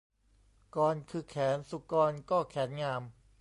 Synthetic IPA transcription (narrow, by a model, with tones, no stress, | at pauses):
kɔː˧nkʰɯː˧kʰɛː˩˦nsu˨˧˩kɔː˧nkɔː˥˩kʰɛː˩˦nŋaː˧m